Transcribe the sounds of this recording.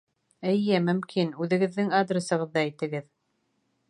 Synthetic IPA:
ɘ̆jɘmɵ̆mkʰinʉðɘ̆ɡɘ̆ðːɘŋad̪rʲesɤ̆ʁɤ̆ðːɑːjt̪ɘ̆ɡɘð

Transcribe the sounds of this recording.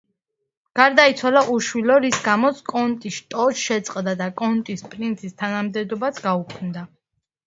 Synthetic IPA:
ɡ̥aɾd̪ait̪sʰwalaʔuʃwilɔɾisɡamɔt̪sʰkʼɔnt̪ʼisʃt̪ʼɔʃʃɛt̪sʼqʼd̪ad̪akʼɔnt̪ʼispʼɾint̪sʰist̪ʰanamd̪ɛd̪ɔbasʰɡaukʰmd̪a

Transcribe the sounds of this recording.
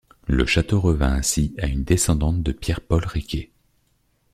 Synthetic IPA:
lə̰ʃat̪oʁəvɛ̃ɛ̃siaynd̪esɑ̃d̪ɑ̃t̪̚d̪əpjɛʁpɔlʁekʲe

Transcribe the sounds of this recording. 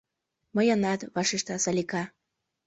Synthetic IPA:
mɤjɤnɑt̪βɑʃiʃt̪ɑsɑlʲikɑ

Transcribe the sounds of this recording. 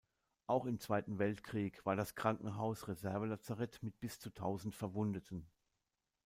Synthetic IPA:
ʔaʊxɪmt͡sv̥aɪtn̩vɛltkʁ̥iːkv̥aːɐɾaskʁ̥aŋkŋ̩ɦaʊsʁezɛɐvəlat͡saʁɛtmɪt̚b̥ɪst͡sutʰaʊzn̩tfɛɐvʊndətʰn̩

